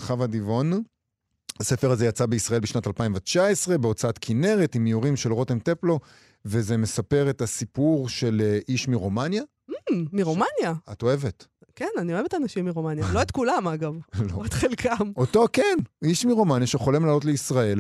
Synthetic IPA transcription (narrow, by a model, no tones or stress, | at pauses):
χavadivo̞n | asefeʁazejat͡sabeisʁae̞lbiʃnatalpaimvat͡ʃaesʁe̞beo̞t͡saatkʰine̞ʁetimijuʁimʃelʁo̞temteplo̞ | ve̞zeme̞sape̞ʁetasipuʁʃe̞leʔiʃmiʁomanja | miʁomanjaato̞e̞vet | kenanioevetanaʃimːiʁomanjaloetkulamaɡavloetχelkʰamo̞to̞keniʃmiʁomanjaʃeχolimlaːlo̞t̬leisʁae̞l